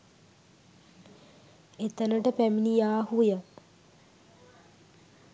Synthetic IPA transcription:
et̪ənəʈəpæminijaːhujə

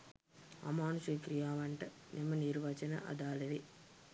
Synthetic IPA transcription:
ɐ̰maːnuseːkɾijaːʋɐɳʈɐ | nimːɐniɾʋɐt͡ʃɐnɐ̰ʔɐ̰d̪aːlɐɾi

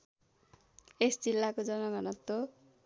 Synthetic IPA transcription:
esd͡zilːakod͡zʌnʌɡʌnʌt̪ːo

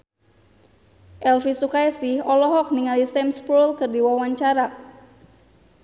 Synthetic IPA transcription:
ʔɛlfisukaɛsihɔlɔɦɔk̚niŋalisɛmspɾulkɨrdiwawaɲt͡ʃaɾa

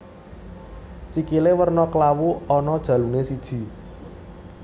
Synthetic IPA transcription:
sikilewərnɔklawuɔnɔd̥ʒ̥ä̤lunesid̥ʒ̥i̤

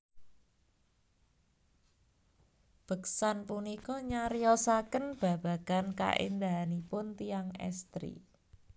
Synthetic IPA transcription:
b̥ə̤ksanpunikɔɲaɾijɔsakənb̥ä̤b̥a̤ɡ̥anka̰ʔḛnd̪aanipʊnt̪ijaŋɛ̰st̪ɾḭ

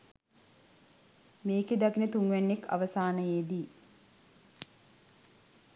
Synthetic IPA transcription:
meːked̪akinət̪uŋɡʋɛnːekːa̰ʋəsaːnəjeːd̪i

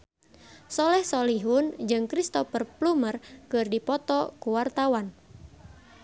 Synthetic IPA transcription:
sɔlɛhsɔliɦund͡ʒɨŋkɾist̪ɔfərplumərkɨrdipɔt̪ɔkuwart̪awan

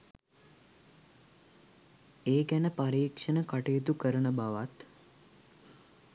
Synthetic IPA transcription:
eːkænəpaɾiːkʂənəkaʈejet̪̬ukəɾənəbaʋat̪

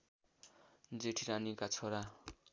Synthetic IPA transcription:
d͡zeʈʰiɾanikat͡sʰoɾa

